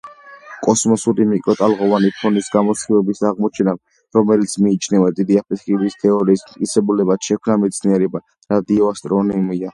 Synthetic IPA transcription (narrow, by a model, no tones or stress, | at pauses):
kʼɔsmɔsuɾimikʼɾɔt̪ʼalˠʁɔvanipʰɔnisɡamɔt̪sχivɛbisaʁmɔt͡ʃʰɛna | ɾɔmɛlit̪sʰmiːt͡ʃʰnɛvad̪id̪iapʰit̪χilist̪ʰɛɔɾiːsmt̪ʼkʼit̪sɛbulɛbat̪ʃɛkʰmnamɛt̪sʰniɛɾɛba | ɾad̪iɔast̪ʼɾɔnimia